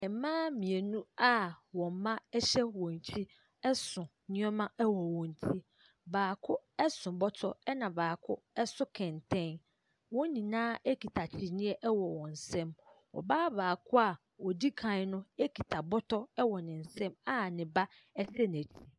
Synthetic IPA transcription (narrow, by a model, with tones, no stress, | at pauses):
ɛ˨˦mãː˦mĩ˨e˨nũ˦a˦wɔ̃˨m˦mã˦ɛ˦ɕɛ˦wɔ̃˨n˨t͡ɕʰi˦ | ɛ˦sʊ̃˨ | ɲɪ̃˦ɔ˦mã˦ɛ˦wɔ˨wɔ̃˨n˨tʰi˦ | baː˨kʰʊ˦ɛ˦sʊ̃˨bɔ˦tʰɔ˦ɛ˦nã˨baː˨kʰʊ˦ | ɛ˦sʊ˦kʰɛ̃˨ntʰɛ̃˦n | wɔ̃˦nĩ˨nãː˦e˦kʰi˨tʰa˨t͡ɕʰɪ˨nɪ̃˦ɛ˦ʔɛ˦wɔ˨wɔ̃˨n̩˨sɛ̃˦mwɔ̰˨baː˦baː˨kʰʊ˦a˨ | wɔ˨di˦kʰã˨˦nʊ̃˦e˦kʰi˨tʰa˨bɔ˦tʰɔ˦ɛ˦wɔ˨nɪ̃˨n̩˨sɛ̃˦ma˦nɪ̃˨ba˦ | ɛ˦sɛ˦n˨æ˨t͡ɕʰi˨˦